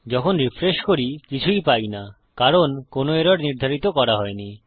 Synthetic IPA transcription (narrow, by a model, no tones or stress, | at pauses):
d͡ʑɔkʰonɾifɾeʃkoɾikit͡ɕʰuipajna | kaɾonkonoeɾoɾniɾd̪ʱaɾit̪okɔɾaɦɔeni